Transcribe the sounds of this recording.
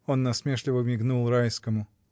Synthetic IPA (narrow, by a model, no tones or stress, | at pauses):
o̞nːɐsmʲeʂlʲɪvəmʲɪɡnulˠɾajskəmʊ